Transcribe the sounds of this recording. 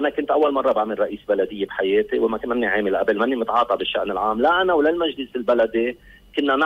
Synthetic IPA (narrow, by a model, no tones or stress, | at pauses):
ʔanakʊnt̪ʔawːalmɑrˤːɑbaʕmɪrˤːɑʔiːsbalad̪ɪjːebħajeːt̪iwɪmakʊnʔɪmnːiʕeːmɪlʔabɪlmanːimɪt̪ʕɑːt̪ˤɑbɪʃːa̰ʔnɪlʕaːmlaʔanawlalmaʒlɪsɪlbalad̪i | kʊnːan